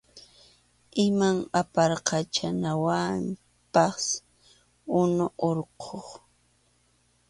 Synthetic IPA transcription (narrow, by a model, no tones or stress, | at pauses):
ɪmaŋapɑɾqɑt͡ʃanawam | pɑs | ʊnʊʔoɾqʰoχ